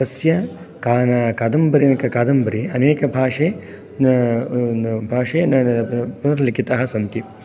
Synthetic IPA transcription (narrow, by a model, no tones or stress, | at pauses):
ɐsjɐ | kaːnɐkaːd̪ɐmbɐɾinɐkɐkaːd̪ɐmbɐɾiɐneːkɐbʱaːʂeː | bʱaːʂeːnpunɐɾlikit̪ɐɦɐsɐnt̪i